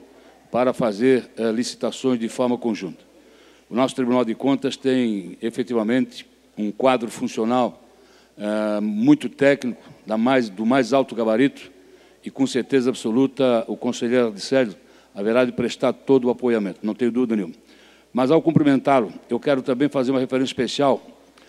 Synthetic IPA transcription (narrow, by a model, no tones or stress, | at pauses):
paɾɐfazeɾɛlisi̥t̪asõj̃zd̪ɪfɔɾmɐkõʒũnt̪ɐ̥ | ʊnɔsʊ̥t̪ɾibunawd̪ɪkõnt̪ɐst̪ẽj̃efet̪ivɐmẽnt̪ɪ̥ | ũkwad̪ɾʊfũsionaw | ɛmũj̃t̪ʊt̪ɛknikʊ̥d̪amajzd̪ʊmajzawt̪ʊɡabaɾit̪ʊ̥ | ɪkõseɾt̪ezɐabsolut̪ɐʊkõseʎejɾd̪ɪsɛʒʊ | ɐveɾd̪ad̪ɪpɾeʃt̪aɾt̪od̪ʊapojamẽnt̪ʊnɐ̃w̃t̪ẽɲʊd̪uvid̪ɐnẽũmɐ | mɐzawkõmplimẽnt̪alʊewkɛɾʊt̪ɐ̃mbẽj̃fazeɾumɐhefeɾẽsjiʃpesiaw